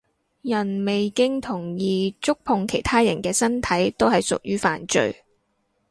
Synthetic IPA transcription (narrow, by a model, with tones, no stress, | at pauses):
jɐ˨˩nme˨jkɪ˥ŋt̪ʰʊ˨˩ŋjiː˨˧t͡sʊ˥k̚pʰʊ˧ŋkʰe˨˩jt̪ʰaː˥jɐ̰˨˩nkɛː˧sɐ˥nt̪ʰɐ˨˥jt̪o˥whɐ˨jsʊ̰˨k̚jyː˥fa̰ː˨nt͡ʃɵ̰˧ɥ